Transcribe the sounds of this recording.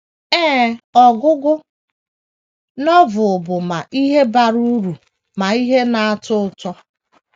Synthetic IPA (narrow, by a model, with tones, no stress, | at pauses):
ɛː˦ɔ˨ɡʊ˦ɡʊ˦ | nɔ˦vʊ˨bʊ˨ma˨ʔi˦ɦe˦ba˨ɾu˦ɾu˨ | ma˨i˦ɦe˦na˨a˦tʊ˦ʊ˦tɔ˦